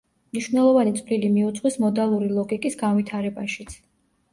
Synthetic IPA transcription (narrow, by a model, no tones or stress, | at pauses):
mniʃvnɛlˠɔvanit̪sʼvlilimiut̪sʼχwismɔd̪alˠuɾilˠɔɡikʼisɡanvit̪ʰaɾɛbaʃit̪sʰ